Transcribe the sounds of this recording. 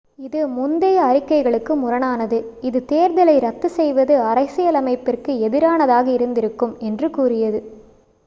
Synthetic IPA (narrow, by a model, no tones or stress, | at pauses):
ɪðɯmʊnd̪ɐjɐɐɾɪkːɐɪɣɐɭɯkːɯmʊrɐnaːnɐðɯɪðɯt̪eːɾðɐlɐɪɾɐt̪ːɯsɛjʋɐðɯɐrɐɪsɪjɐlɐmɐɪpːɪrkɯɛðɪɾaːnɐðaːɣɐɪɾɯnd̪ɪɾɯkːɯmɛndrɯkuːrɪjɐðɯ